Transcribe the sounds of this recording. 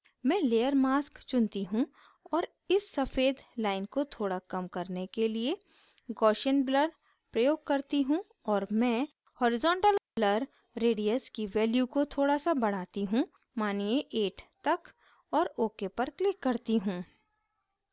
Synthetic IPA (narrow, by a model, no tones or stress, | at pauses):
mɛ̃ːleːəɾmaːskt͡ʃʊnt̪iɦũ | ɔːɾ | ɪsːɐfeːd̪laːɪnkot̪ʰoːɽakɐmkɐɾnekelie | ɡɔːʃənbləɽ | pɾɐjoːɡ̚kɐɾt̪iɦũ | ɔːɾmɛ̃ː | hoːɾɪzɔ̃ːɳʈəlbləɾː | eːɖiəskiʋɛːljukot̪ʰoːɽasabɐɽ̤aːt̪iɦũ | maːnijeʔeːʈt̪ɐk | ɔːɾoːkepɐɾklɪkːɐɾt̪iɦũː